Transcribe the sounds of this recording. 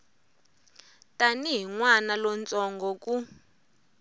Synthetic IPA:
tʼaniɦiŋwanalɔnt͡sʼɔŋɡɔkʼu

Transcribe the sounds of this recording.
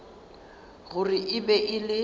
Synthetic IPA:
ɣʊrɪʔɪbɛʔɪlɪ

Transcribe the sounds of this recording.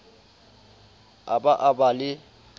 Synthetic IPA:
abaʔabalɪ

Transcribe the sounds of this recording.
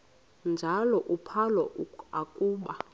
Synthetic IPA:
nd͡ʒʱalɔʔupʰalɔakʼuːɓa

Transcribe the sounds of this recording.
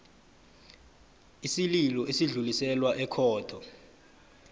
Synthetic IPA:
isililɔʔesiɮulisɛlwaʔɛkʰɔːd̥ʰʱɔ

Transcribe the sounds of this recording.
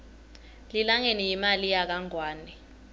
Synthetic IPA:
lilaŋenijimalijak̬aŋwaːnɛ

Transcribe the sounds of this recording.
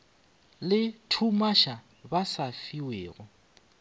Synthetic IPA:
lɪtʰumaʃa | basafiweːɣʊ

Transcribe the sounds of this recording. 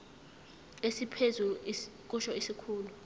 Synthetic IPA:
esipʰezuk̬ʼuʃɔisikʰuːlu

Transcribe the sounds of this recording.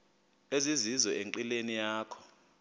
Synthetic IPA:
ezizizɔeŋǃilenijaːkʰɔ̥

